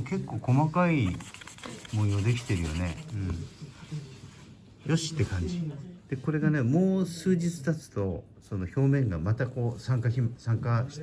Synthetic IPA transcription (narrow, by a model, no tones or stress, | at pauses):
ke̞kːo̞ːko̞makai | mõɰ̃jod̪e̞kʲi̥t̪e̞ɾɯ̟jo̞̰ne̞̰ɯ̟̃ɴ | jo̞ɕi̥t̪ːe̞kãɲ̟d͡ʑid̪̥e̞ko̞ɾe̞ɡane̞mo̞ːsɨːʑit͡sɨ̥t̪at͡sɨ̥t̪o̞ | so̞no̞ço̞ːmẽ̞ŋɡamat̪ako̞ːsãŋkaçʲimsãŋkaɕi̥